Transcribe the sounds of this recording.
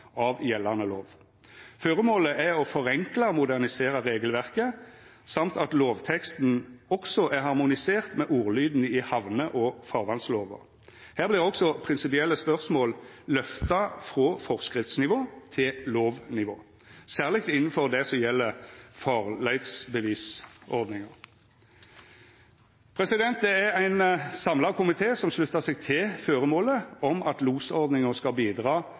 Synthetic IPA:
ɑʋjɛlːɑnəloːʋ | føːʁəmoːləʔæɔfɔʁɛŋklɑmʊd̪æʁnɪseːʁəʁeːɡəlʋæʁkə | sɑmt̪ɑt̪loːʋt̪ʰɛkst̪n̩ɔksɔʔæʁhɑʁmʊnɪseːʁt̪mɛʔuːʁlyːd̪n̩əɪhɑʋnəʔɔfɑʁʋɑnsloːʋə̰ʁ | hæːʁblɪʁɔksɔpʰʁɪnsɪpɪɛlːəspœʁsmoːllœft̪ɑfʁoːfɔʁskʁɪft̪snɪʋoːt̪ʰɪlloːʋnɪʋoː | sæːʁlɪk̚t̪ɪnn̩fɔʁd̪ɛsɔmjɛlːəfɑʁlæɪt̪sbəʋiːsɔʁd̪nɪŋəʁ | pʰʁɛsɪd̪ɛnt̪̚d̪ɛɛʁæɪnsɑmlɑkʰʊmɪt̪ʰeːsɔmʂlʉt̪ːəsɛɡ̚t̪ʰɪlføːʁəmoːləɔmɑt̪luːsɔʁd̪nɪŋəʁskɑlbiːd̪ʁɑː

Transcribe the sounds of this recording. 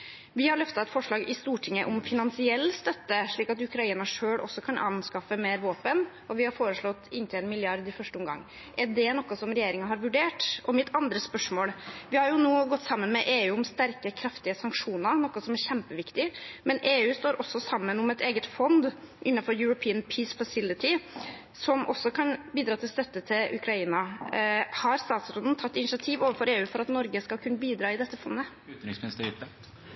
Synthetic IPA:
ʋɪhɑɾɭœft̪ɑɛt̪fɔʂɭɑːɡɪst̪uːʈʰɪŋːə̰ʔʊmfɪnɑnsɪɛlːst̪œt̪ːəʂɭiːkɑt̪ʉkɾɑiːnɑʂøːɭɔ̰sːɔkʰɑnʔɑ̰nskɑfəmeːɾʋoːpənʔɔʋɪhɑɾfoːɾəʂɭɔt̪ːɪnt̪ʰɪlɛnmɪlɪɑɾd̪ɪfœʂʈəʊmɡɑ̰ŋː | ʔɛɖɛnɔkːəsɔmɾɛjeːɾɪŋɑɦɑɾʋʉɖeːʈʔɔmɪt̪ʰːɑnd̪ɾəspœʂmoːlʋɪhɑɾjʊnoːɡɔt̪ːsɑmːənmɛʔeːʉːʊmst̪æɾkəkʰɾɑft̪ɪəsɑŋkʂuːnəɾnɔkːɔsɔmæɾçæmpəʋɪkt̪ɪmɛnʔeːʉːst̪oːɾʔɔsːɔsɑmːənʊmɛt̪eːɡət̪fɔnd̪ | ʔɪnːɑnfɔɾjʉɾʊpʰiːənpʰiːsfɑsɪlɪt̪ɪ | sɔmʔɔsːɔkʰɑnbiːd̪ɾɑːt̪ʰɪlst̪œt̪ːət̪ʰɪlʔʉ̰kʰɾɑiːnɑ | hɑɾst̪ɑːt̪sɔnd̪n̩t̪ʰɑt̪ːɪnɪʂɑt̪ʰiːʋoːʋəfɔɾeːʉːfɔɾɑt̪nɔɾɡəskɑlkʰʉnːəbiːd̪ɾɑːɪd̪ɛt̪ːəfɔnd̪ə | ʉːt̪nɾɪŋsmɪnɪst̪əɾ

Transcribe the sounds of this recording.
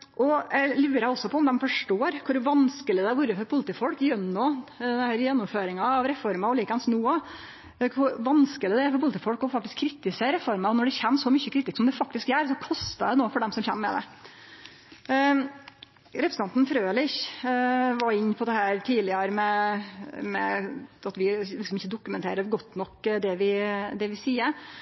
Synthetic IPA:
ʔɔlʉːɾɑɔsːɔpʰɔɔmd̪ɛmfɔʂʈoːɾkʰʊɾʋɑnskəlɪd̪ɛæɾʋʊɾːəfɔɾpʰʊlt̪iːfɔlkjœnːɔːɛhæːɾjɛnːɔmføːɾɪŋɑɑʋɾɛfɔɾmɑɔliːkɑnsnuːə | kʰʊɾʋɑnskələd̪ɛæɾfɔɾpʊlt̪ʰiːfɔlkɔfɑk̚t̪ɪskʰːɾɪt̪ɪseːɾɛfɔɾmɑɔnɔɖɛçɛnːsɔmʏçːəkʰɾɪːt̪ːɪsksɔmd̪ɛfɑk̚t̪ɪskæːɾsɔkʰɔst̪ɑd̪ɛnoːfɔɖɛmsɔmçɛ̰mːmɛ̰d̪ɛ̰ | ɾɛpɾs̩ɑnt̪n̩fɾøːlɪç | ʋɑɾɪɲːpʰɔd̪ɛhæːɾt̪ʰiːlɪɑɾəmɛ | mɛ̰ɑt̪ʋɪlɪksɔmɪçːəd̪ʊkʉmɛnt̪ʰḛːɾəɾɡɔt̪ːnɔkːd̪ɛʋɪd̪ɛʋɪsiːəɾ

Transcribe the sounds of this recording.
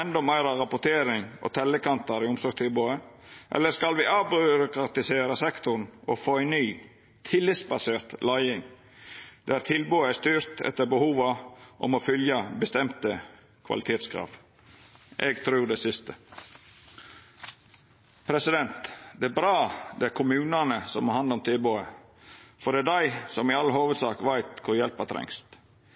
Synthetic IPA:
ɛnd̪ɔmæʏɾɑɾɑpʊʈ̪ʰeːɾɪŋʔɔ̰t̪ʰɛlːəkɑnt̪ɑɾɪʊmsɔɾɡt̪ʰɪlboːə | ʔɛ̰lːəskɑlʋɪʔɑbʏɾʊkɾɑt̪ɪseːɾəsɛkt̪ʊɳɔfoːæɪnnyː | t̪ʰɪlːɪsbɑseːɾt̪lɑɪɪŋ | d̪̥æɾt̪ʰɪlboːəæst̪yːɾt̪ɛ̰t̪ːəɾbəhuːʋɑʔɔ̰mɔfʏljəbəst̪ɛmt̪ə | kʰʋɑ̰lɪt̪ʰeːt̪skʰɾɑ̰ːʋ | ʔɛɡt̪ʰɾʉːɾɖ̪ɛsɪst̪ə | pʰɾɛsɪd̪ɛnt̪d̪ɛæbɾɑːd̪ɛæɾkʰʊmʉːnɑnəsɔmɑhɑnd̪ɔmt̪ʰɪlboːə | fɔɖ̪ɛæd̪æɪsɔmɪɑlːəɦoːʋəd̪sɑ̰ːkʋæɪt̪kʰʊɾjɛlpət̪ʰɾɛ̰ŋst̪

